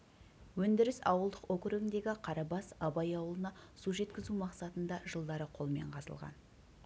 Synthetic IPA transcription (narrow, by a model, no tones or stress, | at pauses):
wɵnd̪ɪɾɪsɑ̰wəlˠd̪əqokɾuɡʲɪnd̪e̞ɡʲɪqʰɑɾɑbɑsɑbɑjɑwəlˠənɑsuʒe̞t̪kʲɪzumɑqsɑt̪ənd̪ɑʒəlˠd̪ɑɾəqʰo̞lˠme̞̰ɴqʰɑzə̰lˠʁɑ̰n